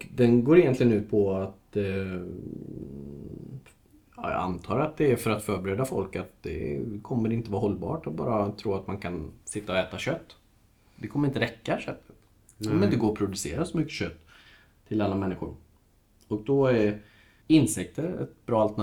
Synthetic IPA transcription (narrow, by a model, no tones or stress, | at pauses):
kd̪ɛnɡoːɾɪjɛnt̪lɪɡənʉ̟ːt̪̚pʰɔat̪ | ɑ̰ːjɑ̰a̰nt̪ʰɑːɾat̪̚d̪ɛæɾfœɾat̪fœːɾbɛɾeːd̪afɔlkat̪̚d̪̥ɛ̰kʰɔmːəɾɪnt̪əvɑːɾɦɔlːbɑ̰ːʈat̪̚bɑ̰ːɾat̪ʰɾuːat̪mankʰansɪt̪ːaɔɛːt̪aɕœt̪ː | d̪ɛkʰɔməɾɪnt̪əɾɛkːaɕœt̪ʰːə̥t̪ | ɔmɛɪnd̪əɡoːɾɔpʰɾʊd̪ɵsḛːɾasɔmʏkːə̥ɕœt̪ʰː | ɪlalːamɛnːɪɧʊ̰ɾ | ɔk̚d̪ɔæɾ | ɪnsɛk̚t̪əɾɛ̰t̪bɾɑːalt̪ɛ